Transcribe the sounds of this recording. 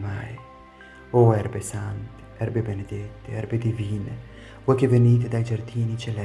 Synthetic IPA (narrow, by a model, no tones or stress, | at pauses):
maj | oɛɾbesant̪i̥ɛɾbebened̪et̪ːeɛɾbed̪iviːnə | wɛkeveniːt̪̬ed̪ajd͡ʒɐɾd̪iːnit͡ʃɛlɛ